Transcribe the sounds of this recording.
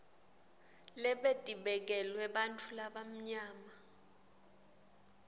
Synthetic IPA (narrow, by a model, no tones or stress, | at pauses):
lɛɓed̥ʱʼiɓɛk̬ɛlwɛɓantʰʼulaɓam̩ɲaːma